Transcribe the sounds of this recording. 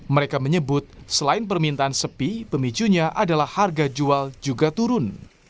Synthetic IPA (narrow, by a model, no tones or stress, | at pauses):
məɾekaməɲəbʊt̪̚səlaɪnpərmint̪aansəpipəmit͡ʃuɲaʔadalahːarɡad͡ʒuald͡ʒuɡat̪uɾʊn